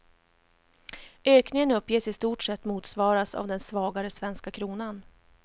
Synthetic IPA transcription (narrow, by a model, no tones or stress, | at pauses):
øːknɪŋənɵpːjeːsɪst̪uːʈʂɛt̪ːmuːt̪svɑːɾasa̰vd̪ɛnsvɑːɡaɾəsvɛnskakʰɾuːnan